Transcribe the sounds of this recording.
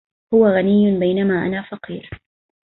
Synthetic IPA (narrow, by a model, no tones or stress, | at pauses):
hʊwaɣanɪjːʊbajnamaːʔa̰naːfɑqiːɾ